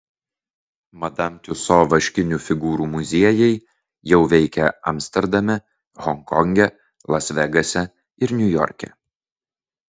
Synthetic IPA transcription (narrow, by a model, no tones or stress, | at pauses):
mɐd̪ɐmʲt̪ʲʊsoːʋɐʃʲkʲɪnʲufʲɪɡuːɾuːmʊzʲiɛjɛɪ | jɛʊʋʲɛɪkʲɛɐ̰mʲsʲt̪ʲɛɾd̪ɐmʲɛ | ɣɔŋkɔŋʲɡʲɛ | lˠɐsʲʋʲɛɡɐsʲɛ | ɪɾnʲʊjɔ̰ɾʲkʲɛ̰